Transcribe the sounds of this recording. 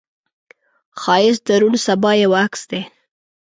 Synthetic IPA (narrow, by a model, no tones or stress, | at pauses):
xɑjɪsd̪aɾunsabɑjawaksd̪e